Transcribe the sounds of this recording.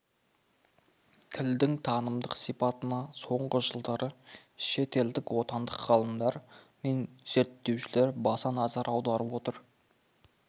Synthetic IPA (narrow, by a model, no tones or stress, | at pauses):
t̪ʰɪld̪ɪŋt̪ʰɑnəmd̪əqsijpɑt̪ənɑso̞ɴʁəʒəlˠd̪ɑɾəʃe̞t̪e̞ld̪ɪkwo̞t̪ɑnd̪əqʁɑlˠəmd̪ɑɾ | me̞nz̥e̞ɾt̪ːe̞wʃɪleɾbɑsɑnɑzɑɾʔɑwd̪ɑɾəpwo̞t̪əɾ